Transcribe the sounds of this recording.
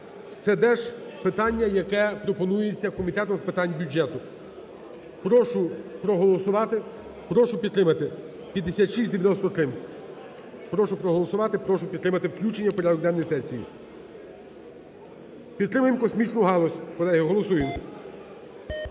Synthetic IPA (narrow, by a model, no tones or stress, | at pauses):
t̪sɛd̪ɛʒpɪt̪ɑnʲːɐjɐkɛpɾɔpɔnujet͡sʲːɐkɔmʲit̪ɛt̪ʊzpɪt̪ɑnʲbʲud͡ʒɛt̪ʊ | pɾɔʃʊpɾɔɦɔlˠɔsʊʋɑt̪ɪ | pɾɔʃʊpʲid̪t̪ɾɪmɐt̪ɪ | pʲjɐd̪ːesʲat̪ʃisʲt̪ʲd̪eʋʲjɐnɔst̪ɔt̪ɾɪm | pɾɔʃʊpɾɔɦɔlˠɔsʊʋɑt̪ɪpɾɔʃʊpʲid̪̚ɾɪmɐt̪ɪwklʲut͡ʃenʲːɐwpɔɾʲɑd̪ɔɡd̪ɛnɔjsɛsʲijḭ | pʲid̪t̪ɾɪmʊjemkɔsmʲit͡ʃnʊɦɑlˠɔsʲkɔlˠɛɦɪɦɔlˠɔsujem